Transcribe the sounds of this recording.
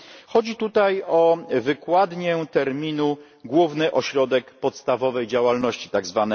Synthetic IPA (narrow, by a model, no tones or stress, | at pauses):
xɔd͡ʑit̪ut̪ajɔvɘkwad̪ɲɛt̪ɛɾmʲinu | ɡwuvnɘʔɔɕɾɔd̪ɛkpɔt̪st̪avɔvɛjd͡ʑawalnɔɕt͡ɕi̥t̪aɡzvanɛ